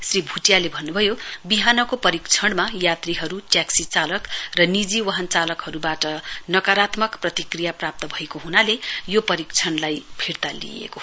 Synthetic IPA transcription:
sribʱuʈjalebʱʌnːubʱʌjobiɦanʌkopʌɾikt͡sʰʌɳmajat̪riɦʌɾuʈjaksit͡salʌkrʌnid͡ziwʌɦʌnt͡salʌkhʌɾubaʈʌnʌkaɾat̪mʌkprʌt̪ikrijaprap̚t̪ʌbʱʌekoɦunalejopʌɾikt͡sʰʌɳlajpʰirt̪alḭjḛko

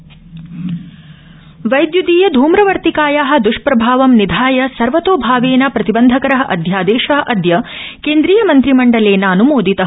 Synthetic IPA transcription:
ʋɐjd̪jud̪iːjɐd̪ʱuːmɾɐʋɐɾt̪ikaːjaːɦɐ̆d̪uʂpɾɐbʱaːʋɐmnid̪ʱaːjɐsɐɾʋɐt̪oːbʱaːʋeːnɐpɾɐt̪ibɐnd̪ʱɐkɐɾɐɦɐʔɐ̰d̪ʱjaːd̪eːʃɐɦɐʔɐd̪ʱjɐkeːnd̪ɾiːjɐmɐnt̪ɾimɐɳɖɐleːnɐːnumoːd̪it̪ɐ

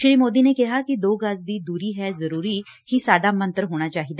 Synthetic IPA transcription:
ʃɾiːmoːd̪iːnekɪɦaːkɪd̪oːɡəsd̪iːd̪uːɾiːɦɛːzəɾuːɾi | hisaːɖaːmə̃nt̪əɾɦoːɽ̃aːt͡ʃaːɦid̪aː

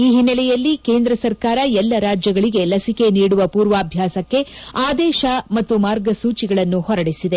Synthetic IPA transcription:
iːɦinːɐlɛjɐlːike̞ːnd̪ɾɐsɐɾkaːɾɐɛlːɐɾaːd͡ʒjɐɡɐɭiɡe̞lɐsike̞niːɽuʋɐpuːɾʋaːbʱjaːsɐkːe̞ | aːd̪ɛːʃɐmɐt̪ːumaːɾɡɐsuːt͡ʃiɡɐɭɐnːuhɔɾɐɽisid̪e

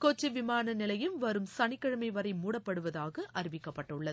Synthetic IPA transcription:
kot͡ʃːiʋɪmaːnɐnɪlɐjɯmʋɐɾɯmsɐɳɪkːɐɻɐmɐɪʋɐɾɐɪmuːɽɐpːɐɽɯʋɐðaːɣɐʔɐɾɪʋɪkːɐpːɐʈːɯɭːɐð

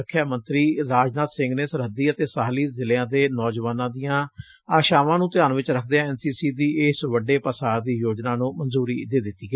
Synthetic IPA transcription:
kʰːjaːmənt̪ɾiːɾaːd͡ʒnaːt̪sɪ̃ŋɡneːsəɾɦəd̪iːət̪eːsaːɦliːzɪlːãːd̪eːnɔːd͡ʒʋaːnãːd̪ijãː | aːʃaːʋãːnũːt̪ɪjaːnʋɪt͡ʃɾəkʰd̪eːãɛːnsiːsiːd̪iːɪsʋəɖeːpəsaːɾd̪iːjoːd͡ʒnaːnũːmənzuːɾḭːd̪eːd̪ɪt̪ːiːɡe

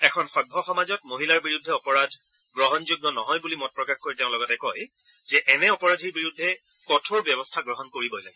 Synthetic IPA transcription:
ɛkʰɔnxɔbʱɔxɔmazɔt̚moɦilaɹbiɹudʱːɛɔpɔɹadʱ | ɡɹɔɦɔnzuɡnɔnɔɦɔjbulimɔt̚pɹɔkaxkojteʊ̃lɔɡɔtɛkɔj | z̥ɛʔɛnɛɔpɔɹadʱiɹbiɹudʱːɛ | kɔtʰoɹbjɛbɔstʰaɡɹɔɦɔnkoɹibɔjla̰ɡi

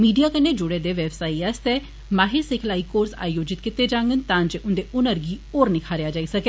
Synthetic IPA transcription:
miːɖijaːkənːeːd͡ʒʊɽeːd̪eːʋɛːbsaːiəst̪eː | maːɦɪɾsɪkʰlaːiːkoːɾsa̰ːjoːd͡ʒɪt̪kɪt̪eːd͡ʒãːŋɡənt̪ãːnd͡ʒʔʊnd̪eːʔʊnəɾɡiːoːɾnɪkʰaːɾejaːd͡ʒaːisəkeː

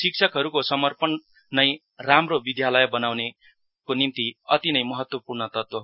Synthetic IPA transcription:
sik̚t͡ʃʰʌkɦʌɾukosʌmʌrpʌnː | ʌj̃ | ramrobid̪ʱjalʌjbʌnawne | konimt̪iʌ̰t̪inʌjmʌɦʌt̪wʌpurnʌt̪ʌt̪wo

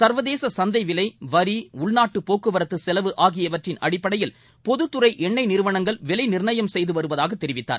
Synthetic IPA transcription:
sɐɾʋɐðeːsɐsɐnd̪ɐɪʋɪlɐɪʋɐɾiʊɭnaːʈːɯpoːkːɯʋɐɾɐt̪ːɯsɛlɐʋɯʔaːɣɪjɐʋɐʈrɪnʔɐ̰ɽɪpːɐɽɐjɪl | pɔðɯt̪ːɯɾɐɪʔɛɳːɐɪnɪɾɯʋɐɳɐŋɡɐɭʋɛlɐɪnɪɾɳɐjɐmsɛjðɯʋɐɾɯʋɐðaːɣɐt̪ːɛɾɪʋɪt̪ːa̰ːɾ

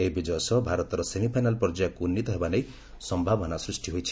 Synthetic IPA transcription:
eibid͡ʒɔjsɔbʱaɾɔt̪ɔɾɔsemipʰajnalpɔɾd͡ʒjakunːit̪ɔɦebanej | sɔmbʱabɔnasɾisʈiɦojt͡ʃʰi̥

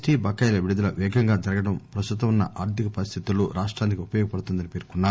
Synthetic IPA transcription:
ʈiːbʱɐkːɐjlɐʋiɽud̪ɐlɐʋɛːɡʱɐŋɡaːd͡ʒɐɾɐɡɐɽɐmpɾɐst̪ut̪ɐmunːɐʔaːɾt̪ikɐpɐɾist̪ʰit̪ulːuːɾaːʂʈɾaːnikiupɐjɔːɡɐpɐɽut̪und̪ɐnipeːɾkunːaː

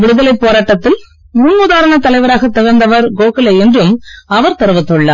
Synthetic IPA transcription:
ʋɪɽɯðɐlɐɪpːoːɾaːʈːɐt̪ːɪl | munʋʊðaːɾɐɳɐt̪ɐlɐɪʋɐɾaːɣɐt̪ːɪɣɐɾnd̪ɐʋɐɾɡoːkɪlɐɛndrɯmɐʋɐɾt̪ɐɾɯʋɐt̪ːɯɭːɐ̰ː

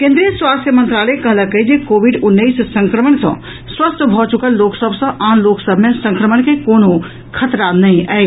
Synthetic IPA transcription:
kẽnd̪ɾijəswast̪ʰjəmə̃nt̪ɾaləkəɦləkəd͡ʒekoʋiɖunːəssə̃ŋkɾəməɳsə̰̃ | swəst̪ʰbʱɔt͡ʃukəlːoksəbʱsə̃ʔanloksəbʱmesə̃ŋkɾəməɳkekono | kʰət̪ɾanəĩʔɛ

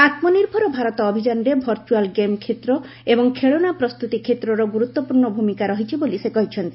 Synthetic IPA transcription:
at̪mɔniɾbʱɔɾɔbʱaɾɔt̪ɔːbʱid͡ʒanɔɾebʱɔɾt͡ʃualɡemkʰet̪ɾɔ | ebɔŋkʰeɭoñapɾɔst̪ut̪ikʰet̪ɾɔɾɔɡuɾut̪ːɔpuɾɳɔbʱumikaɾɔɦit͡ʃʰibolisekɔɦit͡ʃʰɔnt̪i

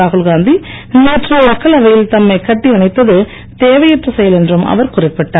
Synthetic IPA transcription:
aːɣɯlɡaːnd̪i | neːʈrɐɐkːɐlɐʋɐjɪlt̪ɐmːɐɪkɐʈːiɐɳɐɪt̪ːɐðɯ | t̪eːʋɐjɐʈrɐsɐjɐlɛndrɯmɐ̰ʋɐɾkʊrɪpːɪʈːaː

